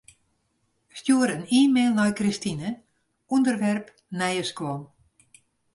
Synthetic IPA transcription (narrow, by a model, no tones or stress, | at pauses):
stjuəɾəniːmeːlˠnɔjkristinə | undərʋɛrp | nɛjəskwɔn